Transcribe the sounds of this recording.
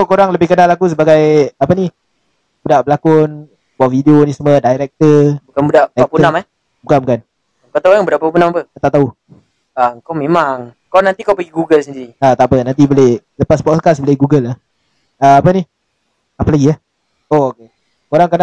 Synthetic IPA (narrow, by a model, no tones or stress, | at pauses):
sokoɾaŋləbɪhkənalakus̬əbaɡajapəni | b̥udaʔbəlakʊn | baʔfideonisəmədajɾɛk̚t̪əbukanbudaʔaɛpunamɛh | bukanbukan | kat̪aukaŋbudaʔpapunamapəkət̪aʔt̪au | akawmẽmaŋkawnant̪ikawpəɡiɡuɡəlsəndiɾiat̪aʔpənant̪̬ibolehləpaspɔt̪kasbolɪɡuɡəlah | əapəni | apəlaɡiah | ooke | koɾaŋkəna